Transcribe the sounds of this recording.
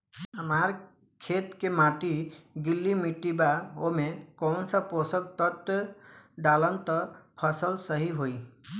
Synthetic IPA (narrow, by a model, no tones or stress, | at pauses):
əmaɾ | kʰet̪kemaʈiɡilːimiʈibaomekɔwnsəposək̚t̪ət̪ | ɖalənt̪əpʰəsəlsəɦiɦoi